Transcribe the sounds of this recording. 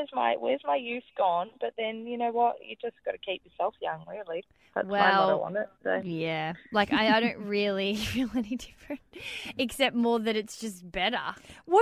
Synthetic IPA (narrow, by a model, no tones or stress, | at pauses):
zma̰ɪwə̰zmaɪjʉθɡ̥ɔ̃nb̥ʌt̪̚ðɨ̃njɨnoʊwʌʔjɨ̰d͡ʒʌsɡ̥ɑɾɨkʰip̚jə˞sɛlˠfjʌ̰̃ŋɹɪlˠi | ðæ̰twsɛaɪlˠl̰̃ˠn̩ɪt̚d̥ḛɪjælaɪkaɪaɪɾõʊ̃nt̚ɹɪlˠiɹɪlˠɛnidɪfɹɨ̃nt̚ɨksɛp̚t̚mɔɹðɨɾɨtsd̥ʒ̥ʌsb̥ɛɾə̰˞wʌ